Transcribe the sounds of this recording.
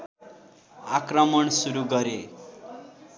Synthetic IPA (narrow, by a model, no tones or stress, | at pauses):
akrʌmʌɳsuɾuɡʌɾe